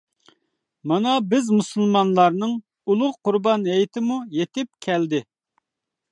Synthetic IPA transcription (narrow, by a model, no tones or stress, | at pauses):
mɑnɑbɪzmusɨlˠmɑnlˠɑɾnɨŋ | ulˠʊʁqʊɾbɑnɦɛjt̪ʰɪmujet̪ɪp̚kʲʰɛld̪ɪ